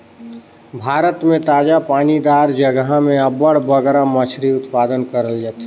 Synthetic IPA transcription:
bʱaːɾət̪mẽt̪aːd͡ʒapaːnid̪aːɾd͡ʒəɡɦamẽəbəɽ̤bəɡɾamət͡ʃʰɾiʊt̪paːd̪ənkəɾəld͡ʒaːt̪ː

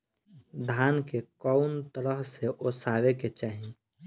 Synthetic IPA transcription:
d̪ʱaːnkekɔʊnt̪əɾəɦseʔosaːweket͡ʃaːɦi

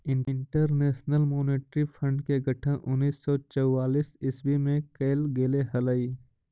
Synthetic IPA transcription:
ɪ̃ɳɳʈəɾneːʃnəlmoːneːʈɾipʰə̃ɳɖkeɡʱəʈʰə̃ʔʊnːiːsːɔt͡ʃəwːaːliːsɪsbimẽkeːlɡeːleɦɐləiː

